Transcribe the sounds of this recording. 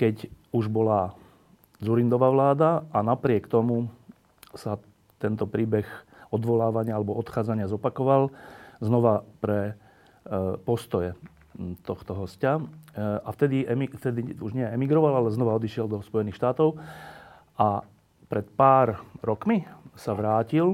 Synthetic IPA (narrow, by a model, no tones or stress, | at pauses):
kɛcuʒbɔla | d͡zuɾind̪ɔʋaːʋlaːd̪aanapɾɪɛkt̪ɔmu | sa | t̪ɛnt̪ɔpɾiːbɛɣ | ɔd̪ʋɔlaːʋaɲɪaalɛbɔɔt̪xaːd͡zaɲɪazɔpakɔʋalznɔʋapɾɛ | pɔst̪ɔjɛ | t̪ɔxt̪ɔɦɔsca | aft̪ɛd̪iɛmift̪ɛd̪iuʒɲɪɛɛmiɡɾɔʋalalɛznɔʋaɔd̪iʃɪɛld̪ɔspɔjɛniːxʃt̪aːt̪ɔʊ | ʔa | pɾɛt̪paːɾɾɔkmisaʋɾaːcil